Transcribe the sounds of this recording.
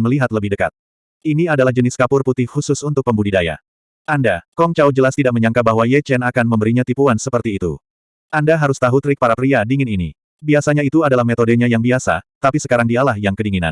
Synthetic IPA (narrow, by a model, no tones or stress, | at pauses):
məliɦat̪ləbɪhdəka̰t̪̚ | iniadalahd͡ʒənɪskapʊrput̪ɪhhusʊsunt̪ʊk̚pəmbudidaja̰ | ʔandakɔŋt͡ʃawd͡ʒəlast̪idaʔ̚məɲaŋkabaɦwajɛt͡ʃɛnakanməmbəɾiɲat̪ipuansəpərt̪iːt̪ṵ | ʔandaɦaɾʊst̪aɦut̪ɾɪk̚paɾapɾiadiŋɪninḭ | biasaɲait̪uadalahmet̪odəɲajaŋbiasa̰t̪apisəkaɾaŋdialahjaŋkədiŋina̰n